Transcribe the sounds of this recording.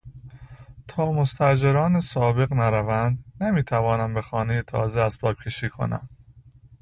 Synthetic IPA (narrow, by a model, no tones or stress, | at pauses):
t̪ʰɒːmo̞st̪ʰæd͡ʒeɾɒːnesɒːbe̞ɣnæɾævænd̪nemiːt̪ʰævɒːnæmbe̞xɒːne̞jet̪ʰɒ̰ːzeæspɒːb̚cʲʰe̞ʃiːkʰo̞̰næ̰m